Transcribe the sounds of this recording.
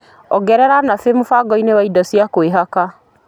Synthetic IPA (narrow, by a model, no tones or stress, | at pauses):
ɔɡɛɾɛɾanafemufaɡɔinewaidɔsiakweɦaka